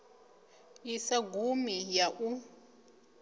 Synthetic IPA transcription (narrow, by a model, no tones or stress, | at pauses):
jisaɡumijaʔu